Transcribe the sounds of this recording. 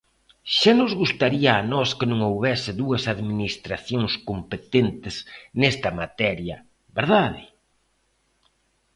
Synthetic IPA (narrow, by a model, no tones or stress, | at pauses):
ʃanʊzɣust̪aɾiɐːnɔskɪnõŋowβɛsɪðuɐsaðminist̪ɾaθjoŋskompet̪ent̪ɪsnɛst̪ɐmat̪ɛɾjɐ | βeɾðaðɪ̰